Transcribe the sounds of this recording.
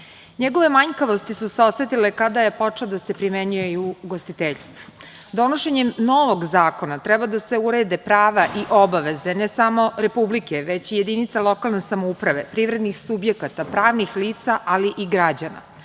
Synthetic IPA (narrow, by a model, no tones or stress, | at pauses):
ɲeɡo̞ʋe̞maɲkaʋo̞st̪isuseoset̪ile̞kad̪aje̞po̞t͡ʂelod̪ase̞pɾimeɲujeiuɡost̪it̪eʎst̪ʋu̥ | d̪o̞noʃeɲemno̞ʋoɡzaːko̞nat̪ɾɛbad̪ase̞uɾeːd̪epɾaːʋaʔiʔo̞baʋe̞ze̞nesamo̞ɾe̞publikeʋet͡ɕijed̪init̪salˠo̞kalnesamoupɾaʋe̞pɾiʋɾe̞d̪nixsubje̞kat̪apɾaːʋnixliːt̪saʔaliʔiɡɾad͡ʑana̰